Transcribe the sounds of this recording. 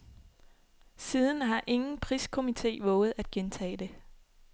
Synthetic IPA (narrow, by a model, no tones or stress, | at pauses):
siːð̞ˠən̩ɦɑ̈ʔe̝ŋn̩pʰʁiskʰo̝mit͡sʰe̝̰ːʋɔ̽ːð̞̩ˠæd̥̚ɡ̥ent͡sʰɛ̰ːd̥e̝